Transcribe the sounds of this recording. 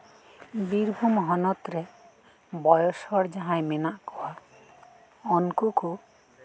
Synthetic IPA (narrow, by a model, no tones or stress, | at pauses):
biɾbʱumɦɔnɔt̪ɾɛ | bɔjɔsɔɽd͡ʒaɦãjmɛnaʔkɔwa | ɔnkuku